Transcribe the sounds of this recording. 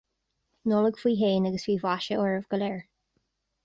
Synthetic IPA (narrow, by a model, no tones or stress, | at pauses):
nɔːləɡ̥fiːɦeːnəɡəswiːvaʃəɔɹəvɡ̥əlɛɹ